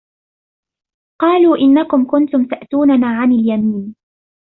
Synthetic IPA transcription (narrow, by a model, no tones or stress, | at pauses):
qɑːluːʔɪnːakʊmkʊnt̪ʊmt̪aʔt̪uːnanaːʕanɪljamiːn